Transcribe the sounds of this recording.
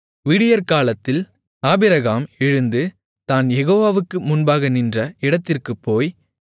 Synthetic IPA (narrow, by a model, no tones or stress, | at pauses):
ʋɪɽɪjɐɾkaːlɐt̪ːɪl | aːbɪɾɐɣaːmɪɻɯnd̪ɯ | t̪aːnjɛɣoːʋaːʋɯkːɯmʊnbaːɣɐnɪndrɐɪɽɐt̪ːɪrkɯpːoːj